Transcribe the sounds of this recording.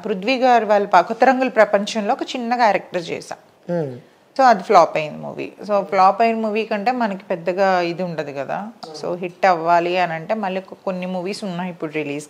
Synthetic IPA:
pɾud̪ʋiːɡaːɾiʋaːɭːɐpakɔt̪ːɐɾɐŋɡulɐpɾɐpɐɲt͡ʃɐnlo̞ːɔkɐt͡ʃinːɐkaːɾɛk̚ʈɐɾt͡ʃɛ̰ːsa̰ː | so̞ːɐd̪iplaːpɐjind̪imṵːʋḭːsoːpʰlaːpɐjinɐmuːʋiːkɐɳʈe̞ːmɐnɐki̥pɛd̪ːɐɡaːid̪iuɳʈɐd̪ikɐd̪a̰ːso̞̰ːɦiʈːɐʋːaːliɐnɐɳʈe̞ːmɐlɭːiɔkːɐko̞nːimuːʋiːsunːaːipːuɽuɾiliːs

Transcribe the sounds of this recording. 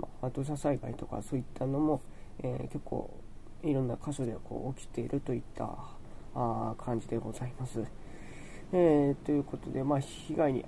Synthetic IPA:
mat̪o̞ːɕ̬asaiba̰it̪o̞ka̰so̞ːit̪ʰːano̞mo̞ | ḛke̞kʰːo̞̰ː | iɾõ̞nːakaɕo̞d̪e̞kʰo̰ːʔokʲi̥t̪e̞iɾɯ̟t̪o̞it̪ːa̰ | kʰãɲ̟d͡ʑid̪e̞ɡo̞zaimasɨ | et̪o̞jɯ̟ːko̞t̪o̞d̪e̞maçiɡaiɲ̟ʲḭ

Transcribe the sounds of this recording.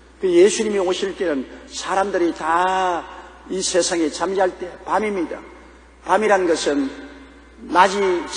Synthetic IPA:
kɯjesʰuɲimioɕʰiɭt͈e̞nɯnsʰaɾamdɯɾita | isʰe̞sʰaŋet͡ɕamd͡ʑɦaɭt͈e̞pamimɲida̰ | pamiɾanɯnɡʌsʰɯnː | ad͡ʑi

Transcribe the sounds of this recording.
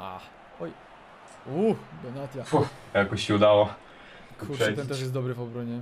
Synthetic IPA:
a̰ | ɔj | uxd̪ɔnat̪jaux | jakɔɕɕɛud̪awa | kkuɾɛt̪ɛnt̪ɛʂ̬jɛsd̪ɔbɾɨvɔbɾɔɲɛ

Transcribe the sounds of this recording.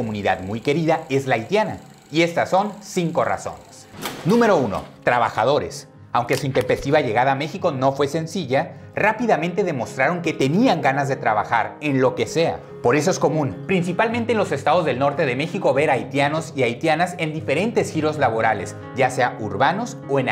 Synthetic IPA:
omũniða̰ðmujke̞ɾiðae̞zlaːjt̪jana | ie̞st̪aso̞nsiŋko̞ra̰so̞̰ne̥snũme̞ɾo̞uno̞̰t̪ɾaβa̰xa̰ð̞o̞ɾe̞s | awŋke̞suint̪e̞mpe̞st̪iβaʝe̞ɣaðaːme̞xiko̞no̞fwe̞se̞nsiʝarapiðamẽnt̪e̞ðe̞mo̞st̪ɾaɾo̞ŋke̞t̪e̞niaŋɡanazðe̞t̪ɾaβa̰xa̰ɾe̞nlo̞ke̞se̞a̰ | po̞ɾe̞s̬o̞e̞sko̞mũnpɾins̬ipalment̪enlo̞se̞st̪aðo̞zðe̞lno̞ɾt̪e̞ðeme̞xiko̞βe̞ɾajt̪jano̞siajt̪janase̞nd̪ife̞ɾe̞nt̪e̞sxiɾo̞zlaβ̞o̞ɾale̞s | ɟ͡ʝase̞auɾβano̞s | o̞en

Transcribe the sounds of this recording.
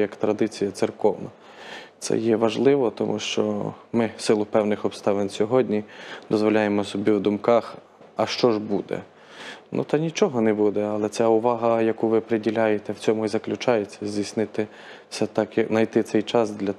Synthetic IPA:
jɐkt̪ɾɐd̪ɪt͡sʲijɐt̪sɪrkɔwnɐ | sɛ̰jɛʋɐʒlˠɪʋɔt̪ɔmʔuʃt͡ʃɔ̰mɪsɪlˠʊpɛwnɪxɔbst̪ɑʋɪnʲsʲɔɦɔdʲnʲid̪ɔzʋɔlʲajemɔsɔbʲiwd̪ʊmkɑx | ɐʃt͡ʃɔʒbud̪ɛ̰ | nṵt̪ɐnʲit͡ʃɔɦɔnɛbud̪ɛɐlˠɛt̪sʲɛʊʋɑɦɐjɐkuʋɪpɾedʲilʲɑjet̪ɛwt͡sʲɔmʊizɐklʲʊt͡ʃɑjet͡sʲːɐzʲdʲisnɪt̪ɪ | sɛt̪ɑkjɐknɐjt̪ɪt̪sɛjt͡ʃɑsd̪lʲɐ

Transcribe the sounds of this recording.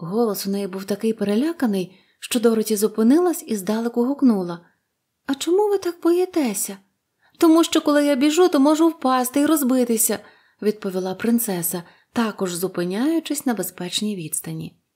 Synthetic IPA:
ɦɔlˠɔsʊnɛjibuwt̪ɐkɪjpeɾelʲakɐnɪj | ʃt͡ʃɔd̪ɔɾɔtʲizʊpɪnɪlˠɐsʲizd̪ɑlˠɪkʊɦʊknulˠɐ | ɐt͡ʃɔmuʋɪt̪ɑk̚pɔjɛt̪ɛsʲɐ | t̪ɔmuʃt͡ʃɔkɔlˠɪjabʲiʒut̪ɔmɔʒʊwpɑst̪ɪiɾɔzbɪt̪ɪsʲɐ | ʋʲid̪̚pɔʋʲilˠɑpɾɪnt̪sɛsɐ | t̪ɑkɔʒzʊpɪnʲajʊt͡ʃɪsʲnɐbespɛt͡ʃnʲijʋʲid̪st̪ɐnʲḭ

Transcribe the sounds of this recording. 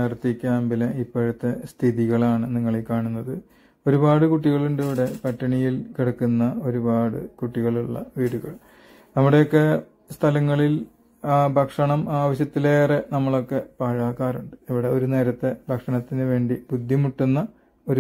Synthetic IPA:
ɐrt̪ːikʲːaːmbilɐipːoɻut̪ːe̞st̪ʰiðiɣɐɭaːɳɨniŋːɐɭekːaːɳunːɐðɨ | o̞ɾubaːɽɨkuʈːiɣɐɭuɳɖiʋiɽe̞pɐʈːɐɳijilkiɽɐkːunːɐo̞ɾubaːɽɨ̰kuʈːiɣɐɭuɭːɐ̰ʋiːɽuɣɐɭ | nɐmːuɽejokːe̞ | st̪ʰɐlɐŋːɐɭil | bʱɐkʂɐɳɐmaːʋɐɕjɐt̪ːileːrenɐmːɐɭo̞kːe̞paːɻaːkːaːruɳɖɨ̥iʋiɽe̞o̞ɾune̞ːɾɐt̪ːe̞bʱɐkʂɐɳɐt̪ːinɨʋe̞ːɳɖib̥ud̪ʱːimuʈːunːɐ | o̞ɾu

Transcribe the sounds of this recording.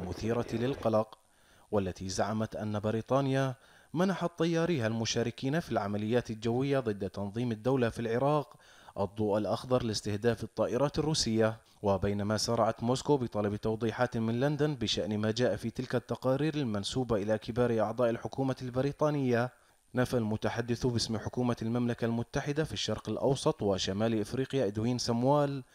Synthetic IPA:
mʊθiːɾalɪlqɑlɑq | walːat̪izaʕamat̪ʔanːabɪɾiːt̪ˤɑːnɪja | manaħat̪ˤːɑjːɑːɾiːɦalmʊʃaːɾɪkiːnafilʕamalɪjːaːt̪ɪld͡ʒawːɪjːaðˤɨd̪ːat̪ɑnðˤiːmɪd̪ːawlafilʕɪɾɑːq | ʔɑd̪ˤːuːʔalʔɑxd̪ˤɑɾˤlɪst̪ɪhd̪aːfɨt̪ˤːɑːʔɪɾˤɑːt̪ɪrːuːsɪjːa | wɪbajnamasɑɾˤɑʕat̪moːskoːbɪt̪ˤɑlɑbt̪ɑwd̪ˤiːħaːt̪mɪnland̪anbɪʃaʔnmaːd͡ʒaːʔafit̪ɪlkat̪ːɑqɑːɾiːɾɪlmansuːbaʔɪlakɪbaːɾiʔɑʕd̪ˤɑːʔɪlħʊkuːmalbɪɾiːt̪ˤɑːnɪjːa | nafalmʊt̪aħad̪ːɪθubɪsmħʊkuːmalmamlakalmʊt̪ːaħɪd̪afiʃːɑɾˤqɪlʔɑ̰wsˤɑt̪ˤwɪʃamaːlʔɪfɾiːqɪjaʔɪd̪wiːnsamwaːl

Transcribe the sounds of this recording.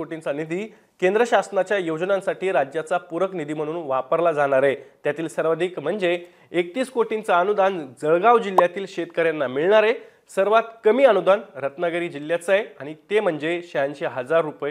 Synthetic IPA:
oʈint͡sanid̪iː | kend̪ɾəɕasnat͡ɕjajod͡ʑnãnsaʈiːɾad͡ʑjat͡sapuɾəknid̪iːm̤əɽ̃uːnʋapəɾlad͡zaɽ̃aɾet̪jat̪iːlsəɾʋəd̪ʱiːkm̤əɳd͡zeː | k̚t̪iːskoʈint͡saənud̪and͡zəɭɡaʋd͡ʑilːjat̪iːlɕet̪kəɾjanːamiɭɳaɾe | səɾʋat̪kəmiːənud̪ʱanɾət̪nəɡəɾiːd͡ʑilːjat͡səjaɽ̃it̪em̤əɳd͡zeɕəjanɕeɦəd͡zaɾːupj

